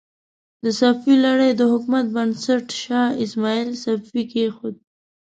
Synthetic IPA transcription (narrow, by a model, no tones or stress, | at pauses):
d̪əsafilaɽejd̪əhʊkmat̪̚bənsaʈʃɑɪsmɑilsafikexod̪̚